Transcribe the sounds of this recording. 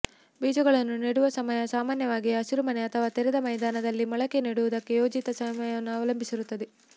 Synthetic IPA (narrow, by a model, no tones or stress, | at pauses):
biːd͡ʒɐɡɐɭɐnːuniɽuʋɐsɐmɐjɐsaːmaːnjɐʋaːɡijɐɐsiɾumɐneɐt̪ʰɐʋaːt̪ɛɾɛd̪ɐmɐjd̪aːnɐd̪ɐlːimɐɭɐkeniːɽuʋud̪ɐkːe̞joːd͡ʒit̪ɐsɐmɐjɐɐnːuɐʋɐlɐmbʱisiɾut̪ːɐd̪e